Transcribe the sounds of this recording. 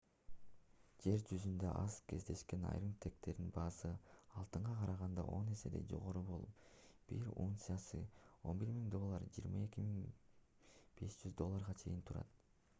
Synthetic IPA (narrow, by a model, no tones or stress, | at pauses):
d͡ʒe̞ɾd͡ʒyzynd̪øʔɑzkʰe̞zd̪e̞ʃke̞nɑ̰jɾɯmt̪ʰe̞k̚t̪e̞ɾd̪inbɑːsɯɑlˠt̪ɯɴʁɑqʰɑɾɑʁɑnd̪ɑ̰ʔo̞ne̞se̞̰d̪e̞̰d͡ʒo̞̰ʁo̞ɾubo̞lˠupb̥iɾṵnt̪sijasɯ̰o̞nbiɾmiŋd̪o̞lˠːɑɾd͡ʒiːɾmɑe̞kʲimiŋ | b̥e̞sd͡ʒyzd̪o̞lˠːaɾʁɑt͡ʃʰe̞̰jint̪ʰuɾɑ̰t̪̚